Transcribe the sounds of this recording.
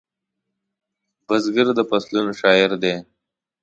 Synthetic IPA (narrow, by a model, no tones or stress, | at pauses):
bazɡəɾd̪əpaslunoʃɑːjɪɾd̪eː